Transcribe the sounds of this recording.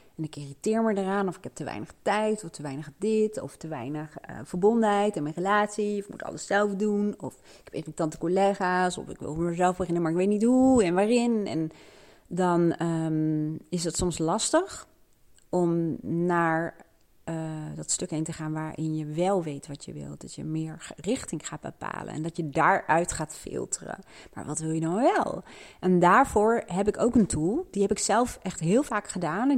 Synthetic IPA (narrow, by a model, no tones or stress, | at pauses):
ɛnɪkɪːritɪːɹməɹdəraːnɔfɪkɦɛp̚təʋɛ̰jnəχtɛjtɔftəʋɛjnəχdɪtɔ̰ftəʋɛ̰jnəχə̰v̥əɹbɔndənɦɛjtɛnmɛnrəlaːtsiɔfɪkmṵtɑ̰ləssɛlˠfdunɔ̰f | ɪkɦɛpɪːritɑntə̥koleːχaːsɔ̰fɪkʋɪ̰lˠəɹzɛlˠfbəχɪnəmaɹɪkʋejtnitɦuɛnʋaːrɪnɛ̰n | dɑnə | ɪsdətsɔmslɑstəχ | ɔmnaːɹ | dɑtstɵkɦejntəχaːnʋaːɹʔɪ̰njəʋɛlˠʋejtʋɑtjə̰ʋɪ̰lˠd̥ɑtjə̰mɪːɹrɪχtɪŋχaːd̚bə̰pa̰ːlə̰nɛ̰ndɑtjədaːɹœɥtχaːtfɪ̰lˠtʰərə̰ma̰ːɹʋɑ̰tʋɪlˠjədɑnʋɛlˠʔɛndaːɹv̥ʊːɹɦɛpɪkowkəntʰulˠdiɦɛpɪksɛlˠfʔɛχtɦɪːlˠvaːkχədaːnɛ